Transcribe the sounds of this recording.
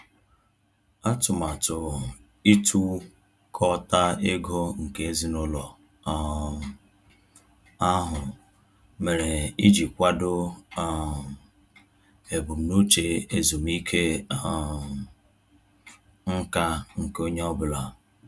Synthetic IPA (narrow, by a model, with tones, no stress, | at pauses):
a˦tʊ˨ma˨tʊ˨ | i˦tʰu˦ | kʰɔ˦ta˦e˦ɡo˦ŋ̩˨ke˨e˦zi˦nʊ˦lɔ˨ | a˦ɦʊ˨ | me˨ɾe˨i˦d͡ʒi˨kʷa˦dʊ˦˨ | e˨bʊ˨m̩˨nu˦t͡ʃe˨e˨zu˨m˦i˦kʰe˦˨˦ | ŋ̩˦ka˦ŋ̩˨ko˦ɲe˦ɔ˦bʊ˨la˨